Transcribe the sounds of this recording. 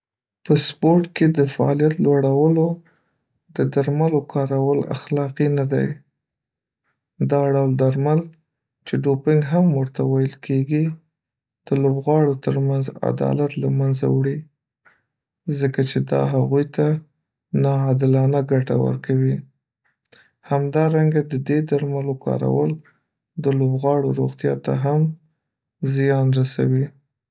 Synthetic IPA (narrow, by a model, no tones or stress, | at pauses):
pəspoɾʈked̪əfaɑ̰lijat̪lwaɽawəlo | d̪əd̪aɾmalokɑɾawəla̰xlɑqinad̪a̰j | d̪ɑɖawld̪aɾmal | t͡ʃeɖopɪŋɡɦamwəɾt̪awajəlkʰeɡi | d̪̥əlobɣɑɽot̪əɾmanza̰d̪ɑ̰lat̪lamanza̰wɽi | zəkat͡ʃed̪ɑ̰ɦaɣujt̪a | nɑːd̪ɪlɑnaɡaʈa̰wə̰ɾkawi | hamd̪ɑɾaŋɡad̪əd̪ed̪aɾmalokɑ̰ɾa̰wəl | d̪əlobɣɑɽoɾo̰ɣt̪jɑt̪a̰ɦam | zɪjɑnɾasa̰wi